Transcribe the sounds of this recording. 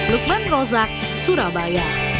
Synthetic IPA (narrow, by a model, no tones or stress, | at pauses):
luk̚manrɔzak̚ | suɾabajaʔ